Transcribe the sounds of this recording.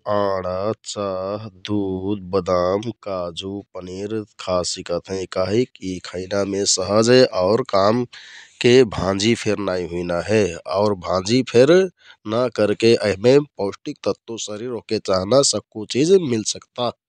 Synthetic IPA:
aːɽ̃at͡ʃaɦd̪ud̪̚bəd̪aːmkad͡ʒupəniɾkʰasikət̪ɦɛ̃kaɦikikʰəɪnamẽsəɦəd͡ʒɦɛʔɔʊɾkamkebʱãd͡ʒipʰeɾnaĩɦuinaɦɛɔ̰ʊɾbʱãd͡ʒipʰeɾ | nakəɾkeʔəɦmepɔʊsʈik̚t̪ət̪ːosəɾiɾɦoket͡ʃaːɦnasəb̚kot͡ʃid͡ʒmilsəkt̪a

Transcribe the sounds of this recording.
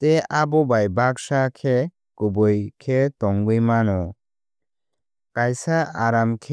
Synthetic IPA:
t̪eabɔbajbaksakʰe | kubɔjkʰetɔŋɡɯjmanɔ | kajsaaɾamkʰe

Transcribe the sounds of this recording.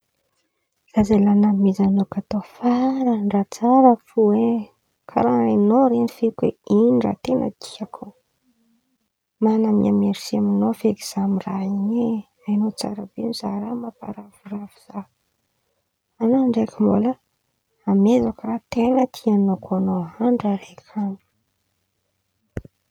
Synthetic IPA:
z̥azalanamizanokat̪ofaɾəɳɖ͡ʐat͡saɾəfue | kʰa̰ɾaenoɾenifekwḛinira̰t̪enə̰t̪ʰi̥akʰu | manamia̰meɾisiaminofeɡiz̥amiraiɲe | ajnot͡sa̰ɾabenizaɾamapa̰ɾavuravuz̥a | anaaɳɖ͡ʐekimbula | amezakarat̪enət̪ʰianokuanoaɳɖ͡ʐaɾekʰanu̥

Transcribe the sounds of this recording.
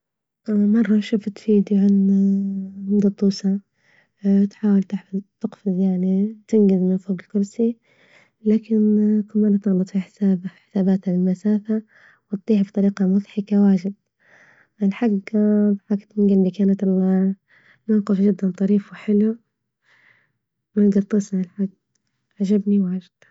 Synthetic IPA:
mɑrˤːɑʃʊft̪fiːd̪jʕanamɪd̪ɑt̪ˤːuːsa | t̪ħaːwɪlt̪ɪħfɪzt̪ɪqfɪzˤjaʕnit̪ɪnɡɪzmɪnfoːɡɪlkʊɾsi | laːkɪnkʊmːaːnat̪ɑɣlɑt̪ˤfiħɪ̥saːbħɪ̥saːbaːt̪alɪlmasaːfa | wɪt̪t̪ˤːiːhbit̪ˤɑɾiːqamʊðħɪkawaːʒɪd̪̚ | ʔɪlħaɡðˤħakt̪ɪnɡɪlbikaːnat̪lːa | mawqɪfʒɪd̪ːant̪ˤɑɾiːfwɪħɪlu | manɡɑt̪ˤːɨsnaɪlħaɡ | ʕaʒabniwʕad͡ʒɪd̪̥

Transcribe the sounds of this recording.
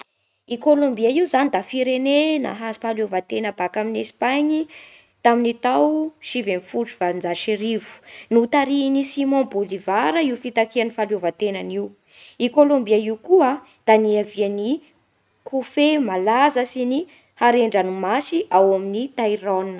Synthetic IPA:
ikolõmbiaiwzanid̪afiɾenena̰ɦazifalovat̪enəbakaminesi̥paɲi | t̪aminit̪awʃivenfuʈ͡ʂuv̥and͡zaʃiɾivu̥nut̪aɾinisimɔ̃bolivaɾəiufit̪akianifalovat̪enaniw | ikolõmbiaiukua | d̪̥aniaviani | kʰufemalazəsini | haɾeɳɖ͡ʐanumasiʔawaminit̪ajɾɔninə

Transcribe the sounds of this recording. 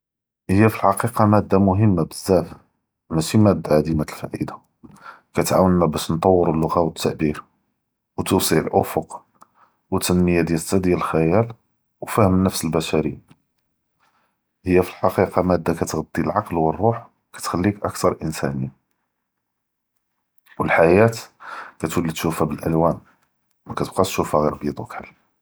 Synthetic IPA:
həjːæfilħɑqiqɑmæd̪ːamʊɦəmːabəzːæf | mæʃimæd̪ːaʕad̪imæt̪əlfa̰ʕḭd̪a | kæt̪ʕa̰wənmæbæʃnt̪ˤɑwːəɾəlːʊɣawət̪ːaʕbiɾ | wt̪usiʕəlʔʊ̰fʊq | wət̪ːənməjad̪jælt̪ːæd̪jæləlxæjæl | wfæhəmnəfsəlbæʃæɾḭ | həjːæfilħɑqiqɑmæd̪ːækæt̪ɣɑd̪ːilʕɑqlwərˤːuħ | kæ̥t̪xælːikʔə̰kt̪ɑɾˤʔənsæ̰ni | wəlħajæt̪kæt̪wəlːid̪ʃufæbəlʔæ̰lwæn | mækæt̪əb̚qɑt̪ʃufæɣiɾbid̪ˤwukħalː

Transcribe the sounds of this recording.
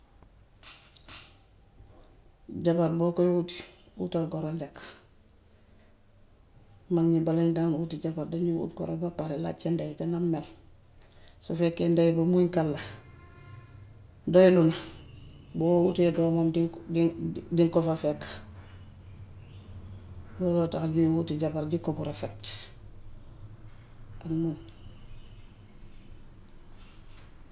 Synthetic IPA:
ɟabaɾbokojuti̥ | ṵtalɡoɾondek | maŋɲibalaɲdanutiɟabaɾdaɲiṵːtɡo̰ɾobapaɾela̰t͡ʃendetaŋamːel | sofekːendajibamuiŋkalːa | dojilun | boutedomomdi | diŋkofafek | dodotaɲuwutiɟapaɾɟikobuɾefet̚ | anmu

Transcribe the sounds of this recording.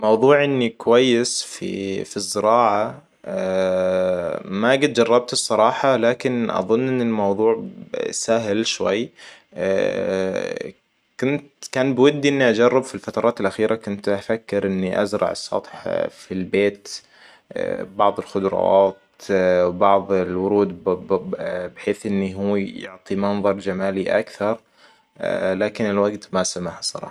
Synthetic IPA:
mɑwðˤuːʕʔɪnːikwajːɪsfḭfizːɪɾɑːʕa | maɡɪt̪̚d͡ʒɑrˤːɑb̚t̪sˤːɑɾˤɑːħɑlaːkɪnʔɑ̰ðˤʊnːʔɪnːɪlmɑwðˤuːʕsaɦlʃwa̰jː | kʊnt̪kaːnbwad̪ːiʔɪnːiʔad͡ʒɑrˤːɪbfilfat̪ɑɾˤɑːt̪ɪlʔaxiːɾʔakʊnt̪ʔafakːɪɾʔɪnːiʔa̰zɾˤɑ̰ʕɑ̰sˤːɑ̰t̪ˤħfilbeːt̪ | bɑʕðˤɪlxʊd̪ɾˤɑ̰ɑːt̪ | bɑʕðˤɪlwʊɾuːd̪ | bɪħeːθʔɪnːiɦuːjʊ̰ʕt̪ˤimɑnðˤɑɾˤd͡ʒamaːliʔa̰kθɑɾˤ | laːkɪnɪlwaɡt̪masamaħsˤɑ̰ɾˤɑ̰ː

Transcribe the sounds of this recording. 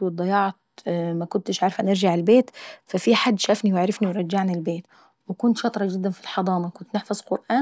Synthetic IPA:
wɪd̪ˤɑjɑʕt̪makʊnt̪ɪʃʕaɾˤfanɪɾʒaʕɪlbeːt̪fafiħad̪ːʃaːfniwɪʕɾɑfniwɾˤɑd͡ʒːaʕnilbeːt̪ | wɪkʊnt̪ʃɑt̪ˤɾˤɑd͡ʒɪd̪ːanfilħɑd̪ˤɑːmɑkʊnt̪nɪħfɑzˤqʊɾʔaː

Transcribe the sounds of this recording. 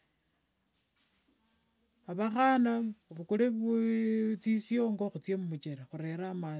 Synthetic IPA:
aβaxanaβukuleβut͡sisijoŋɡoxut͡sjemumut͡ʃeɾexuɾe̞ɾama

